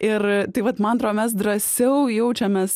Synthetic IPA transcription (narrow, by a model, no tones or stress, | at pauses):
ɪrt̪ɐɪʋɐt̪mɐnɐnt̪ɾoːdomʲɛs̬d̪ɾɐsʲɛʊjɛʊt͡ʃʲɛmʲɛːs